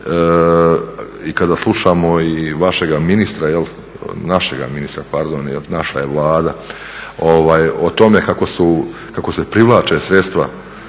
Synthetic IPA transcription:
ikad̪aslˠuʃamo̞iʋaʃe̞ɡaminist̪ɾajel | naʃeɡa̰minist̪ɾapaɾd̪onjelnaʃa̰jeʋlˠaːd̪a | oʋaːjot̪o̞me̞kako̞su | kako̞sepɾiʋlaːt͡ʃe̞sɾet̪st̪ʋa

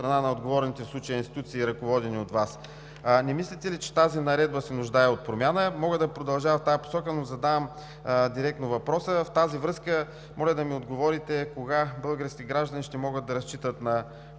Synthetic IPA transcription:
st̪ɾɐnanɐod̪ɡovɔɾnit̪ɛslˠut͡ʃijəinst̪i̥t̪ut̪siːɾɐkovɔd̪ɛniot̪vas | nɛmislʲɛt̪ɛlit͡ʃɛ̥t̪azinɐɾɛd̪̚bəsɛnʊʒd̪aɛot̪̚pɾomʲanəmɔɡəd̪ɐpɾod̪ɐlˠʒavɐft̪ajɐpo̥sɔkənozɐd̪avəm | d̪iɾɛk̚t̪novɐpɾɔsəft̪azivɾɤskə | mɔlʲəd̪ɐmiod̪ɡovɔɾit̪ɛkoɡabɤlˠɡəɾskʲiɡɾaʒd̪ɐniʃt̪ɛmɔɡəd̪ɐɾɐst͡ʃit̪ət̪nɐ

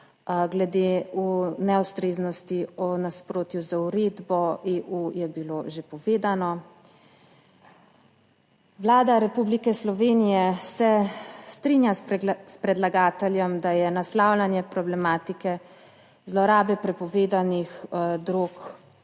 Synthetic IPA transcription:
ɡlɛd̪eːunɛust̪ɾeːznɔst̪iɔnaspɾoːt̪juzauɾeːd̪bɔeːʔujɛbiloʒepɔʋeːd̪anɔ | ʋlaːd̪aɾɛpublikɛslɔʋeːnijɛsɛst̪ɾinjaspɾɛd̪laɡaːt̪ɛljɔmd̪ajɛnaslaːwlanjɛpɾɔblɛmaːt̪ikɛ | zlɔɾaːbɛpɾɛpɔʋeːd̪anixd̪ɾok

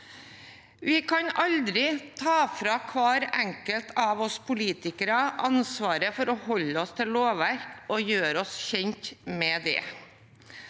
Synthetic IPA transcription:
ʋɪkʰɑnɑld̪ɾɪt̪ʰɑːfɾɑkʰʋɑːɾɛŋkəlt̪ʰɑʋɔspʰʊliːt̪ɪkəɾɑʔɑnsʋɑːɾəfɔɾɔhɔlːəɔst̪ʰɪllːoːʋæɾkɔjøːɾɔsçɛɲt̪mɛd̪ɛ̰

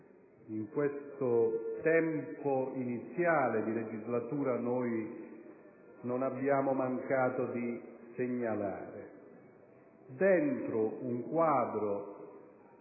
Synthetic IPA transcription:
iŋkwest̪ʊt̪ɛmpoinit̪sːjaːlɪd̪iled͡ʒizlat̪uːɾanɔj | nonabjaːmʊmaŋkaːt̪ʊd̪iseɲːala̰ːɾɪ | d̪ɛnt̪ɾʊuŋkwaːd̪ɾʊ

